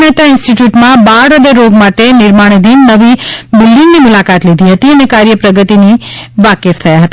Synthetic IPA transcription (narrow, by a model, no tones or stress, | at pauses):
nɛt̪aɪ̃nsʈiʈjuʈmãbaɾəd̪əɾoɡmaʈenɪɾmaɽ̃d̪inːəʋibɪlːiŋɡnimʊlakat̪lid̪ʱiɦət̪iənekaɾjəpɾəɡət̪iniʋakeft̪ʰəjaɦət̪a